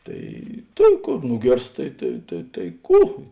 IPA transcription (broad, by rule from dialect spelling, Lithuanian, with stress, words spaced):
ˈtɐɪ ˈtʲeːn ˈkoːr ˈnʊɡʲeːrst ˈtɐɪ tɐɪ tɐɪ tɐɪ ˈkuː